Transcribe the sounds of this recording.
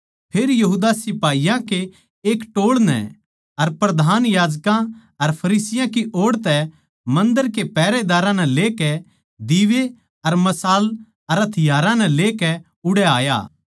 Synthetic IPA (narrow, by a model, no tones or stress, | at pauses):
pʰeːɾjɐɦuːd̪asɪpaːijãke | eːkʈoːɽnɛ̰̃ | ɐɾpɾɐd̪ʱaːnjaːd͡ʒkã | ɐɾpʰɐɾiːsɪjãkiʔoːɽt̪ɛ | mɐ̃nd̪əɾkepɛːɾed̪aːɾãnɛ̃leːkɛ | d̪iːʋe | ɐɾmɐsaːl | ɐɾɐt̪ʰɪjaːɾãnɛ̃leːkɛ | ʊɽɛaːja̰ː